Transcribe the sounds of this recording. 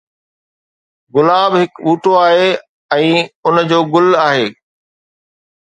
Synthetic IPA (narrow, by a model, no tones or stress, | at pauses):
ɡʊlaːbɦɪkuːʈoaːɦeː | ɛ̃ːʊnd͡ʑoːɡʊlaːɦeː